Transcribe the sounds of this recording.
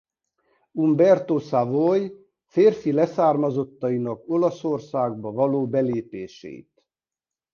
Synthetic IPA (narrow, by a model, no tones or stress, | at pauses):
umbɛrt̪osavoj | feːrfilɛsaːrmɒzo̞t̪ːɒinɒko̞lɒso̞rsaːɡ̚bɒvɒloːbɛleːpeːʃɛ̰ḭt̪